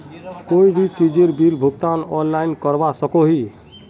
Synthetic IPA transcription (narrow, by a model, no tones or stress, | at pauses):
koibʱit͡ʃid͡ʒeɾbilbʱuɡ̚t̪anɔnlajnkɔɾbasɔkoɦi